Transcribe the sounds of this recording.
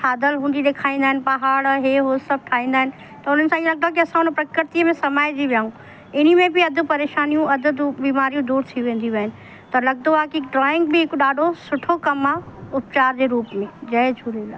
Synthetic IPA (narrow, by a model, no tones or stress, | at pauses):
ʈʰaːd̪əlɦũːnd̪id̪eːkʰaːĩnd̪aːɦɪnɪpɐɦaːɽɦeɦosɐb̚ʈʰaːĩːnd̪aːɦɪnɪ̆ | t̪ɐʊn̤ənɪsãlɐɡ̚d̪oak̬iɐsãʊnə̃pɾɐkɾɪɾt̪ijmẽsɐmaːjd͡ʑiʋjaːɦũ | ɪnimẽbʱiɐd̪ʱʊpɐɾeːʃaːnijũɐd̪ʱʊbiːmaːɾijũd̪uːɾt̪ʰiʋẽːn̆d̪iʋɛɦɪn̆ | t̪ɐlɐɡ̚d̪oakik̚ɖɾɔːɪ̃ŋɡbʱiekɗaːɖʱosʊʈʰokɐmaʊp̚t͡ʃaːɾd͡ʑeɾuːpmẽd͡ʑɐjd͡ʒʱuɾila